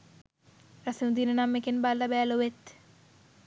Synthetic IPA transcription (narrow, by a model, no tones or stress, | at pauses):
ɾasewd̪inənamːekenbalːabɛːloʋet̪